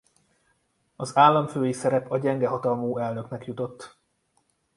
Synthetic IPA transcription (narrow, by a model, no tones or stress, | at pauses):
ɒzaːlːɒɱføːjisɛɾɛpɒɟɛŋɡɛɦɒt̪ɒlmoːɛlnø̞knɛkjut̪o̞t̪ː